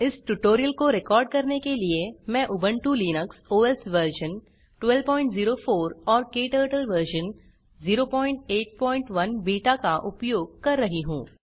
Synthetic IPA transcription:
ɪsʈuʈoːɾijəlkoɾɪkɔːɾɖ̚kɐɾnekeliemɛ̃ʔʊbə̃ɳʈuliːnəksoːɛsʋəɾʃə̃n | ʈwɛlpɔːɪ̃ɳʈziːɾofoːɾɔːɾkeːʈəːɾʈəlʋəɾʃə̃n | ziːɾopɔ̃ːɪ̃ɳʈeːʈ̚pɔ̃ːɪ̃ɳʈʋɐnbiːʈakaʔʊpjoːɡ̚kɐɾːɐɦiɦũː

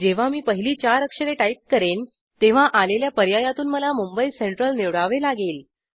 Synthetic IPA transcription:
d͡ʑeʋ̤amiːpəɦiliːt͡ɕaɾəkʂəɾeʈaip̚kəɾen | t̪eʋ̤aʔaleljapəɾjajat̪uːnməlamumbəiseɳʈɾəlneʋɽaʋelaɡeːl

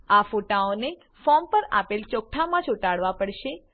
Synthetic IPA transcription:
afoʈaone | fɔmpəɾa̰pelt͡ʃɔk̚ʈʰamãt͡ʃʰuʈaɽʋapəɽʃe

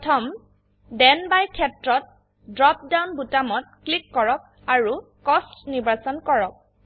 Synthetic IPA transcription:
tʰɔm | dɛnbajkʰɛtɹɔt̚ | dɹɔp̚dawnbutamɔt̚klikːɔɹɔk̚ | aɹu | kɔstnibasɔnkɔɹɔk̚

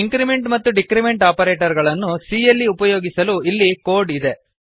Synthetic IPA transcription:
iŋkɾime̞ɳʈmɐt̪ːuɖikɾime̞ɳʈaːpɐɾeːʈɐɾɡɐɭɐnːusiːjɐlːiupɐjo̞ːɡisɐluilːikoːɾɖid̪e

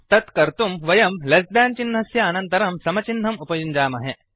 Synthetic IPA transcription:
t̪ɐt̪kɐɾt̪umʋɐjɐmlɐsd̪aːnt͡ʃinɦɐsjɐːnɐnt̪ɐɾɐmsɐmɐt͡ʃin̤ːɐmupɐjuɲd͡ʒaːmɐɦe

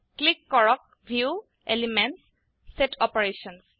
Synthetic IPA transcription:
klikːɔɹɔk̚ | bʱiu | elimens | seʈʰɔpeɹeʃɔns

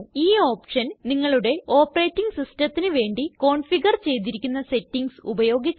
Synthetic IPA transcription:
iːo̞ːpʂɐnniŋːɐɭuɽe̞ʔo̞ːpːɐreːtːiŋɡsistɐt̪ːinɨʋe̞ːɳɖiko̞ːɳfiɡɐrt͡ɕe̞jt̪̬iɾikʲːunːɐse̞tːiŋɡsṵbɐjo̞ːɡit͡ɕː

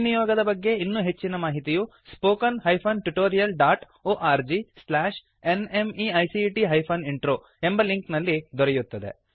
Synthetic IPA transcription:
nijɔːɡɐd̪ɐbɐɡːe̞inːuːɦe̞t͡ʃːinɐmaːɦit̪iju | spoːkɐnɦɐjpʰɐnʈuʈoːɾijɐlɖaːʈ | oːʔaːɾd͡ʒislaːʂ | enemiɐjsiʈiɦɐjpʰɐniɳʈɾoː | embɐliŋknɐlːid̪ɔɾejut̪ːɐd̪e̞̰

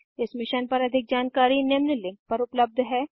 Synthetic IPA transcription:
ɪsmɪʃənpɐɾɐd̪ʱɪk̚d͡ʒaːnkaːɾinɪmnəlɪ̃ŋk̚pɐɾʊpləb̚d̪ʱɦɛː

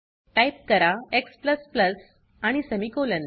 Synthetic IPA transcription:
ʈajp̚kəɾaekspləspləs | aɽ̃isəmikolən

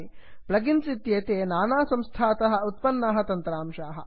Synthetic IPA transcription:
i | plɐɡinsit̪jeːt̪eːnaːnaːsɐmst̪ʰaːt̪ɐɦɐ̆ut̪̚pɐnːɐɦɐ̆t̪ɐnt̪ɾaːmʃaːɦɐ̰̆

